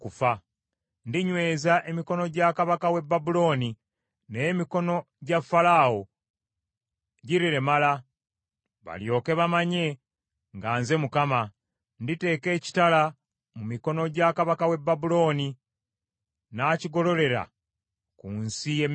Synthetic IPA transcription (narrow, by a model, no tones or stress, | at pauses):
kufa | ndiɲwe̞ːzaʔe̞miko̞no̞ɟakaβakawe̞bːabulo̞ːni | nejemiko̞no̞ | ɟafːalaːwo̞ | ɟiɾiɾe̞mala | βa̰ljo̞ːke̞βamaɲe̞ | ŋɡaːnze̞mukama | ndite̞ːke̞ːci̥tala | mumiko̞no̞ɟakaβakawe̞bːabulo̞ːni | naːciɡo̞lo̞le̞ɾa̰ | kunsije